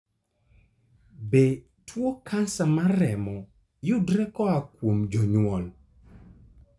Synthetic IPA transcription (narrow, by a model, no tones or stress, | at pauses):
be | tʰwokʰansamaɾɛmɔ | jʊdɾɛkɔakwomd͡ʒɔɲwɔl